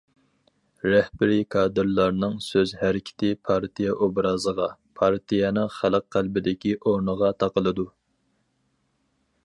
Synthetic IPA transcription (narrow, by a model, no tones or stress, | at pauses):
ɾɛhbɪɾikʰɑːd̪ɨɾlˠɑɾnɨŋsøzhæɾɪkʲʰɪ̥t̪ʰɪpʰɑɾt̪ʰijɛʔobɾɑzəʁɑpʰɑɾt̪ʰijɛnɨŋχælˠəqqːælbɪd̪ɪkʲiʔoɾnəʁɑt̪ʰɑqəlˠɨd̪u